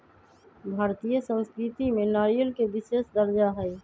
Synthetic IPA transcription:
bʱaːɾt̪ijəsə̃wskɾɪt̪imẽnaːɾijəlkeʋɪʃeːʃd̪əɾd͡ʒaɦɛː

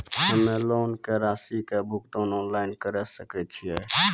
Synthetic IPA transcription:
ɦəmeloːnkeɾasikebʱukʈonɔːnlaɪnkəɾɛsəkɛt͡ʃʰijɛ

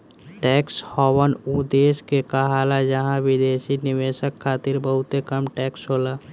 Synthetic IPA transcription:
ʈɛːkshɔːwənud̪eːskekaɦaːlad͡ʒəɦãʋɪd̪eːʃinɪʋeːʃəkʰːaːt̪ɪɾbəɦʊt̪ekəmʈɛːksɦoːlaː

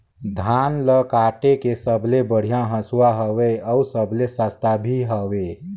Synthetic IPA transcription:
d̪ʱaːnləkaːʈekesəblebəɽ̤ijãɦəsuwaɦəweɔsəblesast̪abʱiɦəwe

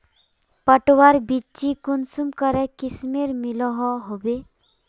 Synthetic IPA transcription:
pəʈwaɾbit͡ʃikunsumkəɾɛkismeɾmilɔɦɔɦobe

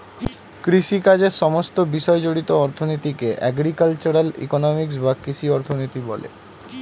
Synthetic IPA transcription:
kɾiʃikad͡ʑeɾʃɔmost̪obiʃɔed͡ʑoɽit̪oɔɾt̪ʰonit̪ikeʔɛ̰ɡɾikalt͡ɕoɾalḭkonomiksbakiʃiɔɾt̪ʰonot̪ibɔlḛ

